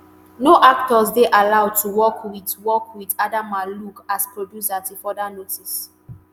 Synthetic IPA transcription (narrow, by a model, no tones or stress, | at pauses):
noʔaktɔsdeʔalaʊd̚tʰuwɔkwitwɔkwidadamalukaspɹodjusatifɔdanotis